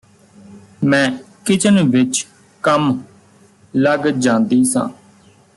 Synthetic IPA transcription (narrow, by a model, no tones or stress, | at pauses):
mɛ̃ː | kɪt͡ʃənʋɪt͡ʃ | kəm | ləɡd͡ʒãːnd̪iːsã̰ː